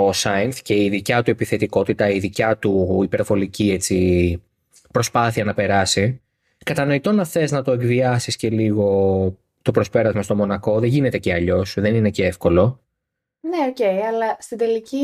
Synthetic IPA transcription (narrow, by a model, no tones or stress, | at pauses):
osɐinθce̞iðicɐt̪ue̞piθe̞t̪iko̞t̪it̪ɐiðicɐt̪uipe̞ɾvo̞licie̞t͡si | pɾo̞spɐθiɐnɐpe̞ɾɐsi | kɐt̪ɐno̞it̪o̞nɐfθe̞znɐt̪o̞e̞ɡviɐsisce̞liɣo̞ | t̪o̞pɾo̞spe̞ɾɐzmɐst̪o̞mo̞nɐko̞ðeʝine̞t̪e̞ceɐʎo̞sðe̞nine̞ceefko̞lo̞ | neoce̞iɐlɐst̪ind̪e̞lici